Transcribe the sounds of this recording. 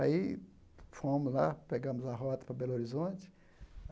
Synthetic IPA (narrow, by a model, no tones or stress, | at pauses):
ai | fõmʊzla̰peɡɐ̃mʊzɐɦɔt̪ɐ̥pɾɐbɛloɾizõt͡ʃɪ̥